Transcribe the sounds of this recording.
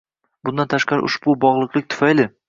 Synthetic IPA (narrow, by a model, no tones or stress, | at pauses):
bʊnd̪ant̪ʰaʃqɑɾɪ̰ʔʊ̰ʃbʊbɒʁlˠɨqlˠɪk̚ʲt̪ʰʊ̥fajlɪ